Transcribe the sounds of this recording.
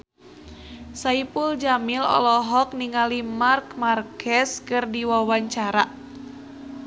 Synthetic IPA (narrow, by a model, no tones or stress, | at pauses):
saipuld͡ʒamilɔ̰lɔɦɔk̚niŋalimarkmarkɛskɨrdiwawaɲt͡ʃaɾa